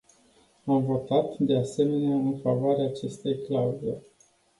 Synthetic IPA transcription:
amvo̞t̪at̪d̪e̞ase̞me̞neaɨnfavoaɾeaːt͡ʃe̞st̪e̞jklauzelʲ

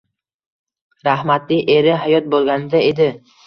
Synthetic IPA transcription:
ɾahmat̪lɪjʔe̞ɾɪɦajɒt̪̚bolˠɡʲanɪd̪aed̪ɪ

